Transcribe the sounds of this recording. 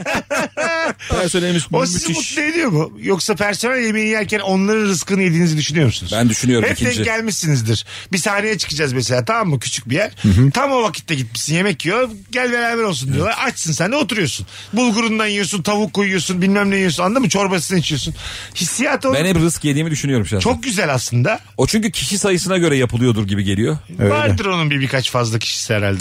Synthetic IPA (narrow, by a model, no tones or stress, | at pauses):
ɾsøjlʲemiʃosizimut̪lˠɯed̪ijo̞mujo̞ksapʰæɾsomælʲjemijiijæɾcʰæno̞nlˠaɾɯnɾɯskɯːnjed̪iːnizid̪yʃynyjo̞ɾmusunuz̥ænd̪yʃynyjo̞ɾhɛp̪̚ɛɟælʲmiʃinizd̪iɾ̥bisahnejɛt͡ʃʰɯ̥kɯd͡ʒazmes̬elʲaːt̪ʰamːucʰy̥t͡ʃʰyc̚bijæɾ̥t̪ʰamo̞vakʰit̪ʰːɛɟit̪̚miʃsinje̞mɛcːjoɟælʲve̞ɾænvɛɾo̞lˠs̬und̪ijo̞lˠaɾat͡ʃsɯnsænd̪ɛo̞t̪ʰuɾujosun | bulˠɡuɾund̪anjɯjos̬unt̪ʰavukʰːojujosunbilʲmæmd̪ɛjosunand̪amɯt͡ʃʰo̞ɾbasɯnɯit͡ʃʰijo̞sunhisːijat̪ʰoɛnɛbiɾɯskjed̪iːmid̪yʃynyjoɾumʃt͡ʃʰo̞k̚ɟyzælʲaslˠɯnd̪a | ot͡ʃʰyɲcycʰiʃisajɯsɯnaɟø̞ɾɛjapʰɯlˠɯjo̞d̪uɾɟibiɟe̞lʲijo̞ | øvaɾd̪ɯɾo̞nunbibikʰat͡ʃfazlˠacʰi̥ʃi̥siɛɾa̰lʲd̪ɛ